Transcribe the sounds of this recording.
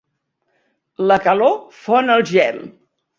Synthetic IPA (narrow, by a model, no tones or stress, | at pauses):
ləkəlofonəlˠʒɛlˠ